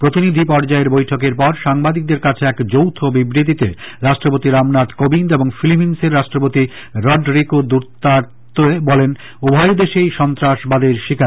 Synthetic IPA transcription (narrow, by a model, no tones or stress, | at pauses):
pɾot̪inid̪ʱipɔɾd͡ʑaeɾbojʈʰokeɾpɔɾʃaŋbad̪ik̚d̪eɾkat͡ɕʰeɛkd͡ʑowt̪ʰobibɾit̪̬it̪ḛɾaʃʈɾopot̪iɾamnat̪kobind̪eboŋfiliminseɾːaʃʈɾopot̪i | ɾɔɖɾikod̪uɾt̪aɾtt̪oebɔlen | obʱajod̪eʃejʃɔnt̪ɾaʃbad̪eɾʃikʰaɾ